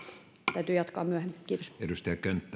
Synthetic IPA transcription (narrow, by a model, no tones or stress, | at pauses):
t̪æyt̪yːjɑt̪kɑːmyæhemkiːt̪osedust̪æækønt̪ː